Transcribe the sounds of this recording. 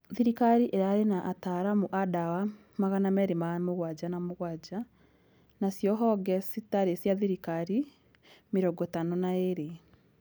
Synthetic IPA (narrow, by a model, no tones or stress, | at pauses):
ðiɾikaɾiʔeɾaɾenaʔataɾamoʔadawa | maɣanamɛɾemamoɣwad͡ʑanamoɣwad͡ʑa | nasjɔɦɔɡɛsitaɾesjaðiɾikaɾi | meɾɔɡɔtanonaeɾe